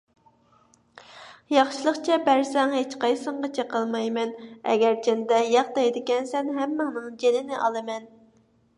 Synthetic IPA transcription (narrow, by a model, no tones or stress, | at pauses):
jɑχʃilˠəχt͡ʃʰɛbæɾsɛŋɦet͡ʃqɑjsəɴʁɑt͡ʃʰɛqəlˠmɑjmɛnɛ̰ɡʲɛɾd͡ʒɛnd̪ɛjɑχd̪ɑjd̪ɪkʲɛnsɛnɦɛmːɨŋnɨŋd͡ʒenɪnɪʔɑ̰lˠɨmɛn